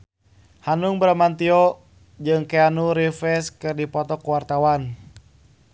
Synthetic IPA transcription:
hanuŋbɾamant̪iɔ | d͡ʒɨŋkɛanuɾifɛskɨrdipɔt̪ɔkuwart̪awan

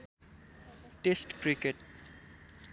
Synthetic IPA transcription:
ʈesʈkɾikeʈ̚

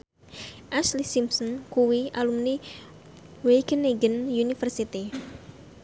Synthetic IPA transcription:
ʔaslisimsɔnkuwiʔalumni | wekəneɡənjunifərsit̪i

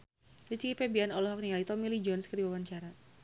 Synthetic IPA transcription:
dit͡ʃikipɛbianɔlɔɦɔk̚niait̪ɔomilid͡ʒɔnskədiwawaɲt͡ʃaɾa

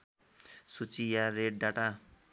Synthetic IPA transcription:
sut͡sijaɾeɖ̚ɖaʈa

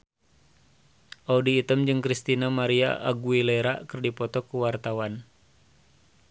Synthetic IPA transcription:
ʔaudiːt̪əmd͡ʒɨŋkɾist̪inamaɾia̰ʔaɡuilɛɾa̰kɨrdipɔt̪ɔkuwart̪awan

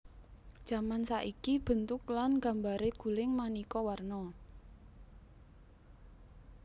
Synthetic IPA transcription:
d̥ʒ̥ä̤mansaʔikib̥ə̤nt̪ʊklanɡa̤mbaɾeɡ̥ṳlɪŋmanikɔwarnɔ

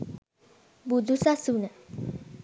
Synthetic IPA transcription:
bud̪usasunə

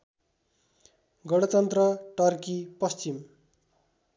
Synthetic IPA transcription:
ɡʌɽʌt̪ʌnt̪rʌʈʌrkipʌst͡sim

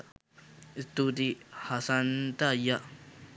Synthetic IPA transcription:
st̪ud̪ihasant̪aja

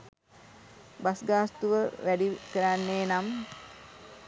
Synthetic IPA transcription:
basɡaːst̪uʋəʋæɖikəɾanːeːnam

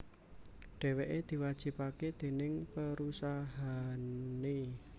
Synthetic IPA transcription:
ɖ̥ɛ̤weʔed̪̥i̤wad̥ʒ̥i̤paked̪̥e̤nɪŋpəɾusaɦane

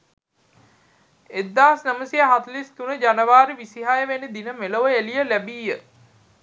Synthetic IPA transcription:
ed̪ːaːsnəməsiaɦat̪list̪unəd͡ʒanəʋaːɾiʋisiɦajəʋenid̪inəmeloʋəelijəlæbiːjə

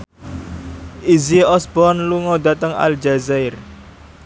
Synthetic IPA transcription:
ʔiziɔsbɔnluŋɔd̪a̤t̪əŋa̰ld͡ʒazaɪr

